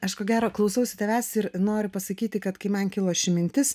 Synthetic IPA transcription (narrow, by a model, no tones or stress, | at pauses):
ɐʃkoːɡʲæːɾoːklˠɐʊsɐʊsʲɪt̪ʲɛʋʲæːsɪɾnoːɾʲʊpɐsɐkʲiːt̪ʲɪkɐt̪kɐɪmɐnkʲɪlˠoːʃʲɪmʲɪnʲt̪ʲɪs